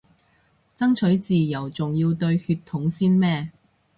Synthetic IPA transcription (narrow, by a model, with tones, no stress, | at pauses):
t͡sɐ˥ŋt͡ʃʰɵ˨˥ɥt͡siː˨jɐ˨˩wt͡sʊ˨ŋjiː˧wt̪ɵ˧ɥhyː˧t̪ʰːʊ˨˥ŋsiː˥nmɛː˥